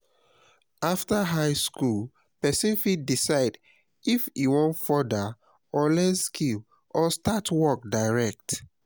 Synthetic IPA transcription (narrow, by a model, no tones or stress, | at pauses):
aftəɦaɪskul | pɛsĩnfiddisaɪd | ifiwɔ̃ntfɔdə | ɔlɛtskʰil | ʔɔstatwɔk̚daɪɹɛk̚t